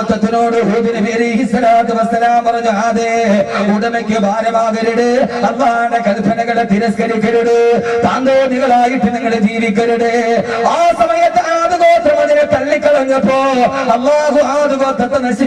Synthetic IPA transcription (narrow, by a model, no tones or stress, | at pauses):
t̪ːɐt̪ːinoːɽɨɦoːðiɾɨʋiɾiisɐɾaːt̪ɐʋɐsɐlaːmpɐrɐɲːuaːðeːuɽɐmekʲːɨbʱaːɾɐmaːðɐɾuɽɨɐlːaːɦaːɳɖekɐlpʰɐnɐɣɐɭet̪iɾɐskɐɾikʲːɐɾuɽɨt̪aːnd̪oːðiɣɐɭaːjiʈːiniŋːɐɭed͡ʑiːʋikʲːɐɾuɽɨaːsɐmɐjɐt̪ːeaːðɨɣoːt̪ːɐmɐðinet̪ɐlːikʲːɐɽɐɲːɐpːoːɐlːaːɦuaːðuɣɐt̪ːɐt̪ːɐnɐɕi